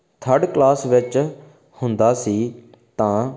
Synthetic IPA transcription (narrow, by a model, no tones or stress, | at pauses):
t̪ʰəɾɖklaːsʋɪt͡ʃ | hʊnd̪aːsiː | t̪ãː